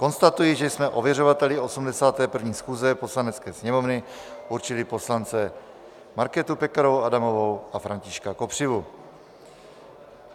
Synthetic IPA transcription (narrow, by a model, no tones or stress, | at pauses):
ko̞nst̪at̪ujɪʒɛjsmɛʔo̞vjɛro̞vat̪ɛlɪo̞sumdɛsaːt̪ɛːpr̩vɲiːsxuːzɛpo̞slanɛt͡skɛːsɲɛmo̞vnɪʔuɾt͡ʃɪlɪpo̞slant͡sɛ | maɾkɛt̪upɛkaɾowadamo̞vowafɾaɲcɪʃkako̞pr̝̥ɪvu